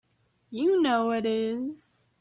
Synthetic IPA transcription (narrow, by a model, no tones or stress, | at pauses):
jɨnoʊwʌɾɪz̥